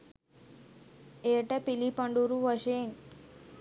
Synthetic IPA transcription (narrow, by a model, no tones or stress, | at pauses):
eːʈepilipɐɳɖuɾuʋɐʃeŋ